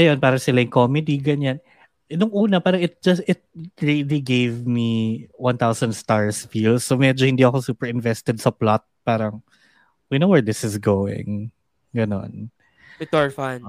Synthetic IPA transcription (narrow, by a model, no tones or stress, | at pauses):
ɐjonpaːɾɐsɪlɐɪŋkomɛd̪iɡɐɲan | ʔɪnʊŋʔuːnɐpaːɾɐŋɪt̪̚d͡ʒɐst̪ɪt̪̚ɹiliɡejvmiwɐ̃nt̪awsɐnd̪st̪aɹsfilsːomɛd͡ʒohɪ̃nd̪iɐkosuːpɛɹɪnvɛst̪ɛd̪̚sɐplat̪̚paːɾɐŋ | winowwɛɹd̪ɪsɪsɡowɪ̰̃ŋ | ɡɐno̰n | ɪt̪ɔɹfan